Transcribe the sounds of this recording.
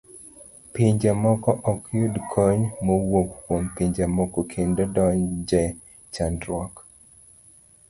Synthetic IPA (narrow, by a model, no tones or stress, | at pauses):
piɲd͡ʒamɔkɔʔɔkjudkʰɔɲmowokːwompiɲd͡ʒamɔkokʰendɔdɔɲd͡ʒɛ | t͡ʃandɾwɔk